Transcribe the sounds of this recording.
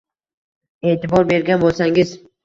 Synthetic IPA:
e̞ːt̪ɪbɒɾbe̞ɾɡʲanbolˠsaŋɪz

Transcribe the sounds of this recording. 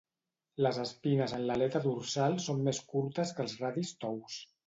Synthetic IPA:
ləzəspinəzənləlɛt̪əðuɾsalˠsomːeskuɾt̪əskəlˠzraðist̪ɔws

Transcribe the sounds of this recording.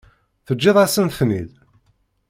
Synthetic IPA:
θəd͡ʒːeðˤæsənθnið

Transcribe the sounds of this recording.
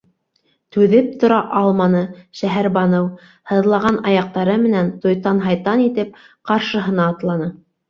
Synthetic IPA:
t̪ʉðɘp̚t̪ŏɾɑʔɑlˠmɑnɤʃæɦæɾbɑnɤw | hɤ̆ðlˠɑʁɑnɑjɑq̚t̪ɑɾɤmɘ̆nænt̪ŏjt̪ɑnɦɑjt̪ɑnit̪ɘp̚ | qɑɾʃɤ̆ɦɤ̆nɑːt̪lˠɑnɤ

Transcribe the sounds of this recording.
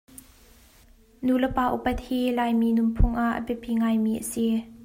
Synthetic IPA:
nuləpaːʔṵpɐt̪̚hiːlaːjmiːnʊmpʰʊŋʔaʔːə̰pɛpiŋaːjmiːʔəsi

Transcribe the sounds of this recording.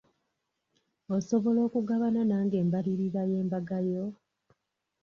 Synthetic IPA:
oso̞βo̞lo̞ːkuɡaβananaːŋɡe̞ːmbaliɾiɾaje̞ːmbaɡajo̞

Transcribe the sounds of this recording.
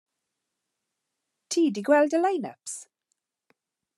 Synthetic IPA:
tʰiːdiɡwɛldəlajnə̰ps

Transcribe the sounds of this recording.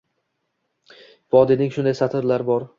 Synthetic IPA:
vɒd̪ɪnɪŋʃʊnd̪ajsat̪ʰɪɾlaɾbɒɾ

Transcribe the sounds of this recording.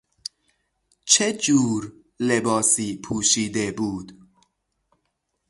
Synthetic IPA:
t͡ʃʰed͡ʒuːɾ | lebɒːsiːpʰuːʃiːd̪ebuːd̪̥

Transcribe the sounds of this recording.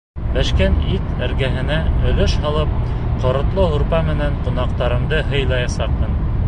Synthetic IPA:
bæʃkænit̪æɾɡæɦɘ̆næɵ̆lɵʃhɑlˠɤp̚ | qŏɾɤ̆t̪lˠɤɦŭɾpɑmɘ̆næɴqŏnɑqt̪ɑɾɤ̆md̪ɤɦɤ̆jlˠɑjɑsɑq̚mɤ̆n

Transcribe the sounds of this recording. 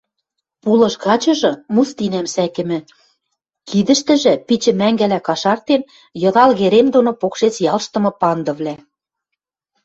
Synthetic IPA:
pulɤ̆ʃɣɑt͡ɕɤ̆ʒɤ̆must̪inæmsækɘ̆mɘ̆ | kid̪ə̆ʃt̪ɘ̆ʒĕpit͡ɕɘ̆mæŋɡælækɑʃɑrt̪en | jɤ̆ðɑlɣeɾemd̪onopokʃet͡sjɑlʃt̪ɤ̆mɤ̆pɑnd̪ɤ̆βlæ

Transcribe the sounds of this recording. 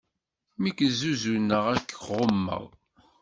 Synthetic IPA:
mikzuzunːəʁækːʁomːə̰ʁ

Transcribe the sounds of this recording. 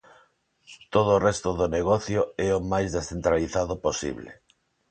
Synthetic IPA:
t̪oð̞oːrɛst̪oðoneɣɔθjoɛomajzðesθent̪ɾaliθaðoposḭβlḛ

